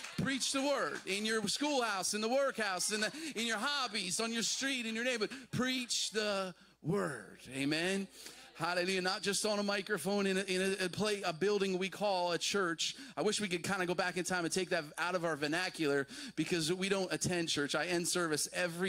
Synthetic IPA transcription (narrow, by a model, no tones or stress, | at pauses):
pʰɹ̥it͡ʃðəwɜ˞dɪ̃njə˞skulˠhaʊsɨ̃nðəwɜ˞khaʊsɨ̃nðɨɨ̃njə˞ɦɑbizn̩jə˞stɹ̥iɾɨ̃njə˞nẽɪ̃mbʌt̚pʰɹ̥it͡ʃðə | wɜ˞d̥eɪmɛ̃n | halɨlʉjɨnət̚d̥ʒ̥ʌstn̩əmaɪkɹɨfõʊ̃nɨ̃nɨɪ̃nɨɨpʰl̥eɪəbɪlˠdɪ̃ŋwikʰɔlˠət͡ʃʰɜ˞t͡ʃaɪwɪʃwikɨd̚kʰãɪ̃ndɨɡoʊbækɨ̃ntʰãɪ̃mɨ̃ntʰeɪk̚ðɨtaʊɾʌvaʊə˞vɨnækjl̩ˠə˞b̥ɨkʰʌzwiɾõʊ̃ntɨtʰɛ̃nt͡ʃʰɜ˞t͡ʃaɪɛ̃nd̥sɜ˞vɨsɛvɹi